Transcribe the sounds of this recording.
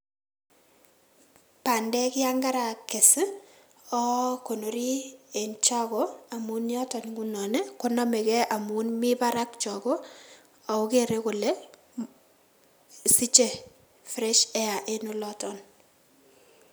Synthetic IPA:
pa˨ndɛ˦kɪ˦a˦ŋɡa˦ɾa˨kːe˨sɪ˦ | ɔ˦ko˨no˨ɾi˦e˨nt͡ʃɔ˦koa˨mu˨njɔ˦tɔ˨nɡu˦nɔ˨ne˦ko˦nɔ˦me˨kɛ˦ʔa˨mu˨nmi˦ba˦ɾa˦k̚t͡ʃɔ˨ko˦ | a˨u˦ke˦˨ɾe˦ko˨le˦ | si˦t͡ʃe˨ | fɾɛ˦ʃɛ˦a˨ʔe˦nu˦lɔ˦tɔ˨n

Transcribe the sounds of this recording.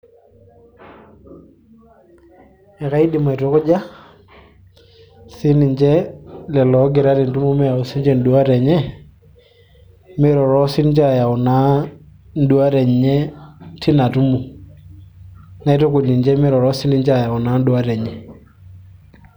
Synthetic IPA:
ɛ˨ka˨˦i˦di˨ma˨ɪ˨tʊ˨˦kʊ˦d͡ʒa˦ | si˦ni˨ɲt͡ʃɛ˦lɛ˨lɔ˨˦ɡɪ˨ɾa˦ɾi˨n˨tu˦mu˦mɛ˦ja˨ʊ˨˦si˦nd͡ʒɛ˦n̩˨du˨a˦ɾɛ˨ɲɛ˦ | mɪ˦ɾɔ˨ɾɔ˦sɪ˦nt͡ʃa˨ja˨ʊ˨na˨˦ | n̩˦du˨˦a˦ɾɛ˨ɲɲɛ˦tɪ˦na˨tu˦mu˨ | na˨ɪ˦tʊ˦kʊ˨ni˨nt͡ʃɛ˦mɪ˦ɾɔ˨ɾɔ˦sɪ˦ni˦ɲt͡ʃa˨ja˨wna˨˦n˦du˦a˦ɾɛ˨ɲɛ˨

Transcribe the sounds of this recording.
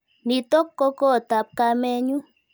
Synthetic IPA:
ni˨t̪ɔ˦kːɔ˦kɔ˦˨t̪a˨p̚ka˧mɛ˦ɲu˦

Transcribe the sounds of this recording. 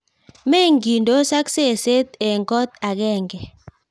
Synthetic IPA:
me˦ŋɡi˨ndo˦sa˦kse˦˨se˦t̪e˨ŋɡɔ˦t̪a˨ɡɛ˦˨ŋɡɛ˨

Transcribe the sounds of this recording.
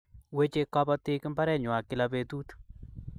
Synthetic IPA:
we˦t͡ʃe˧kɔ˦pɔ˧tɪ˦ki˦mba˦ɾɛ˦ɲwa˨kɪ˦la˨pe˨tu˦t

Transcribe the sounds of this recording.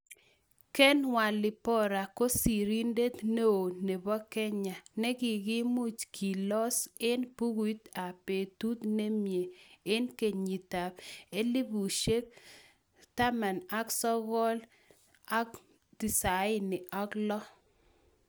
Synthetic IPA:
kɛ˦nwa˨lɪ˨pɔ˦ɾa˨ko˦si˨ɾi˦nde˦t̪ne˦o˨ne˨bɔ˦kɛ˦ɲa˨nɛ˦ɡɪ˨ɡɪ˦mʊ˦t͡ʃkʰi˨lɔ˦sɪ˦npu˦ɡi˦t̪a˨pe˨t̪u˦t̪ne˦mje˨e˦nke˨ɲi˨ta˨pe˦li˦bu˨ʃe˦k̚ | ta˦ma˨na˦ksɔ˦ɣɔ˦l | a˦k | di˨sa˨ɪ˦nɪ˨ʔɔ˦klɔ˦

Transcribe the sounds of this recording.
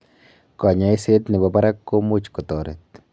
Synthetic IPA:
kɔ˨ɲa˦i˦se˦t̪nɪ˨bɔ˨ba˦ɾa˦kːo˦mu˦t͡ʃkɔ˨t̪ɔ˨ɾet̪̚

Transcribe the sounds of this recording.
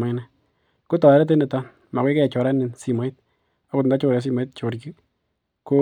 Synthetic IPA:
ma˦nɛ | ku˦tɔ˨ɛ˦ɾɛ˦t̬e˦ne˨ta | ma˨kwe˦kɛ˦ɛ˨t͡ʃɔ˨ɾa˦ni˨nsi˨ma˨˦i˦t̚ | a˦kʊ˦tnda˦t͡ʃo˦˧ɾjɛ˨˦s̬i˦ma˦i˦t̚t͡ʃo˨ɾki˦ | ko

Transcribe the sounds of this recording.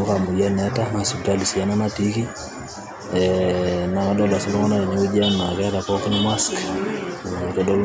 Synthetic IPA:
u˦ka˨mu˨ja˦nɛ˦ta˦na˨su˨ta˦˨li˨si˨a˦na˦na˦ti˦ki˦ | ɛna˨ka˦dɔ˦la˨sɔ˦lɔ˦ŋɔ˦na˦e˨ɲa˦u˦d͡ʒa˦nna˨kɛ˦ta˨pɔkɪ˦nma˦sk | tɔdɔ˦l

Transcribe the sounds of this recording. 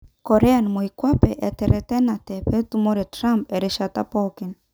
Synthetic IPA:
kɔ˨ɾɛ˦a˨nmɔ˨i˨kwa˦pɛ˨ʔɛ˨tɛ˨ɾɛ˨tɛ˦na˨tɛ˨pɛ˦tu˦mɔ˦ɾɛ˨tɾa˦mpɛ˨ɾɛ˨ʃa˨ta˦pɔ˦kɪ˨n

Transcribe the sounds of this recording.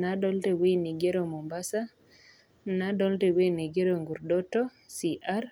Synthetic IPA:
naɗɔ˦lte˨we˦ni˨ɡe˦ɾomo˨mbasa | naɗɔ˦lte˨weni˨ɡe˦ɾoŋɡu˨ɾdɔtɔ | siʔaɾ

